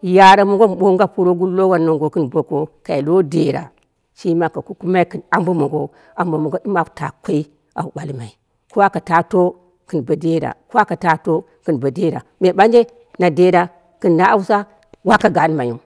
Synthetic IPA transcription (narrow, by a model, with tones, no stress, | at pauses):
ja˨ɾa˦mo˨ŋɡo˦m˨ɓo˦ŋɡa˦pu˦ɾo˦ɡu˦lːo˦wa˨nːo˨ŋɡo˨kɨ˦nbo˨ko˦ka˨i˨lo˦de˨ɾa̰˨ | ʃi˦ma˨ka˨ku˦ku˦ma˦i˦kɨ˨na˨mbo˦mo˨ɡo˦ | a˨mba˨mo˨ɡo˦di˦mḁ˨ta̰˨kʷo˦i˦ | a̰˨u˨ɓa˨lma˨i˨ | ko˦wa˦ka˨ta˨˦to˦ | kɨ˨nba˨de˦ɾa̰˨ko˦wa˦ka˨ta˦to˦ | kɨ˨nba˨de˦ɾa˨me˨ɓa˦nd͡ʒe˦ | na˨de˦da˦ | kɨ˨nːa˦a˦wu˦sa˦ | wa˦ka˨ɡa˨˦n˦ma˨ju˨m